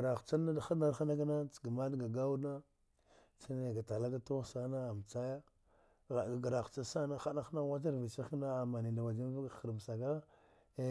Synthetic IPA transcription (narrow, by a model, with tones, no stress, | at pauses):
ɾa˨xt͡ʃa˦na˦dxa˦na˦ɾxa˦na˦ɡa˦na˦t͡sɡa˨ma˦dɡa˨ɡa˦wu˦na˦ | t͡ʃa˦ne˨ɡa˨ta˨la˦ɡa˦to˦ɣsa˦na˦a˨m˨t͡sa˦ja˦ | ɣa˨a˨ɡa˨ɾa˨xt͡ʃa˦sa˦na˦xa˦na˦xna˦wa˦t̬a˦ɾvi˨t͡ʃa˦na˦a˨ma˨ni˨da˨wa˨d͡ʒa˦n˦va˦ɡxə˨ɾm˨sa˨ɡa˦